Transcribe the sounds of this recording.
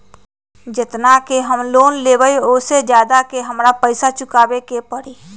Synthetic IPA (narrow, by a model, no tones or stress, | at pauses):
d͡ʒɪt̪nakeɦəmloːnleːʋəioːsed͡ʒjaːd̪akeɦəmɾapəɪsat͡ʃʊkaːbekepəɾiː